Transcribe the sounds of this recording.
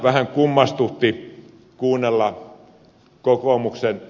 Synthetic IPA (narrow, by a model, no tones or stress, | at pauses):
ʋæhæŋkumːɑst̪ut̪ːi | kuːnːelːɑ | kokomuksen